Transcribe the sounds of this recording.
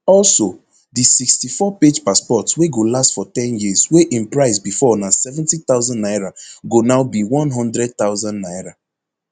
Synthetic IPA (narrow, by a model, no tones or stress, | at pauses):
ɔlso | disikstifɔped͡ʒpaspɔtsweɡolastfɔtɛ̃njizweʔɪ̃npɹaɪsbifɔnasɛvɛ̃ntit̪aʊzãnːaɪɹaɡonaʊbiwɔ̃nɦɔ̃ndɹɛd̚t̪aʊzãnnaɪɹa